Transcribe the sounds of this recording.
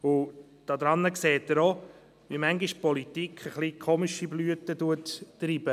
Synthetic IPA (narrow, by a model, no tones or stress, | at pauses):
ʊ | d̥ɑd̪ɾɑnːəkseːt̚ːəɾo | ʋimæŋɡiʃpɔlit̪ikʰχəχlikʰoːmiʃiblyətəduətːɾiːb̥ə